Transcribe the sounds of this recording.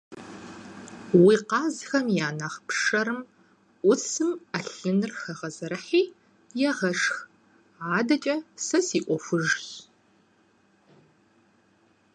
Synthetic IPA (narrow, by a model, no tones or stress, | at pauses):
wiːqɑːzxɐmjaːnaχpʂɐɾɨm | ʔʷʊsɨmɐɬɨnɨrxɐʁɐzɐɾɐħiː | jɛʁɐʂx | aːdɐt͡ʃʼɐsɐsiːʔʷɔfʷʊʒx